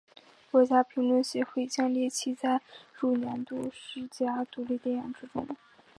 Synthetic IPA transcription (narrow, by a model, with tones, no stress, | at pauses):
kwɔ˧˥t͡ɕja˥pʰi˧˥ŋlwə˥˩nɕjɛ˧˥xwe˥˩ɪt͡ɕjɑ˥ŋljɛ˥˩t͡ɕʰi˥t͡sa˥˧ɪɻu˥˩njɛ˧˥nt̪u˥˧ʂɻ̩˥˩t͡ɕja˥t̪u˧˥li˥˧t̪jɛ˥˩njɑ˨˩ŋʈ͡ʂɻ̩˥ʈ͡ʂʊ˥ŋ